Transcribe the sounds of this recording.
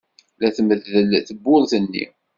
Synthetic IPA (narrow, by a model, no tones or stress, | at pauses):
læθəməðːəlθəbːʊðˤθənːḭ